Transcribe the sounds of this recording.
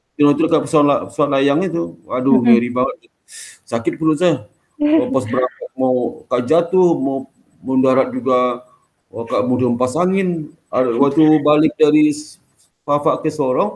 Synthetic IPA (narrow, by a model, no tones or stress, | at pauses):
t̪ənɔt̪̬ukapəsuanlapə̥suat̪̚lajaŋit̪uaduɡəɾibaŋət̪̚ | sakɪt̪̚pəlʊsa | apɔsbəɾakat̚mawkaʔd͡ʒat̪ʊhmaw | mowndaɾat̪̚d͡ʒuɡa | wakaʔmudʊmpasaŋɪn | awat̪ubalɪk̚daɾi | fafaʔkəsɔɾɔŋ